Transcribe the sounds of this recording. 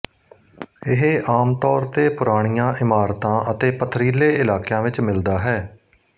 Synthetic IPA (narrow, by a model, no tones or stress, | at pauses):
ɪɦeʔaːmt̪ɔːɾt̪eːpʊɾaːɽ̃ijãːʔɪmaːɾt̪ãːʔət̪eːpət̪ʰɾiːleːɪlaːkjãːʋɪt͡ʃmɪld̪aːɦɛː